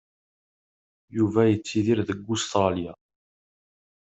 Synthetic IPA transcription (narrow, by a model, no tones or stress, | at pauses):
juvæjət͡sːiðiɾðəɡːʊst̪ɾˤɑlja